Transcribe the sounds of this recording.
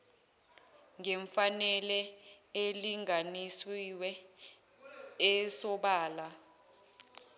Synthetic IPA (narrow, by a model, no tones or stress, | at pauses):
ŋɛɱfanɛlɛeliŋanisiwɛ | ɛsɔɓaːla